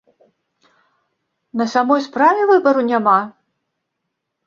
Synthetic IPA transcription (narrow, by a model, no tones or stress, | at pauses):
nɐsʲamɔjspɾavʲɛvɨbɐɾunʲama